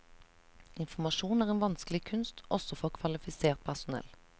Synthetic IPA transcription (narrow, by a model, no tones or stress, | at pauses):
ɪnfɔmɑʃuːnæːʁeːnʋɑnskəlɪkʰʉnst̪ʔɔsɔfoːkʰʋɑlɪfɪseːʁt̪̚pʰæʁsʊnɛ̰l